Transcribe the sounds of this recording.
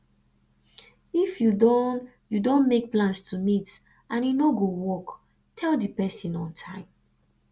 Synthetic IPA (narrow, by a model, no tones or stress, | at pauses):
ifjudɔ̃n | judõnmek̚plãnstʰumit | ãnjunoɡowɔk | tʰɛldipɛsĩnɔ̃ntʰãɪ̃m